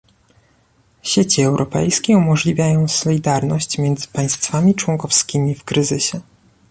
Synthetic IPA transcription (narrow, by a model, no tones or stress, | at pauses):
ɕet͡ɕiɛwɾʔɔpɛ̰jskʲɛumɔʐlʲivʲjajɔ̃w̃sɔlʲid̪aɾnɔɕt͡ɕmʲjɛnd̪zɘ̥paj̃st̪famʲit͡ʂwɔŋkɔfskʲimʲifkɾɘzɘɕɛ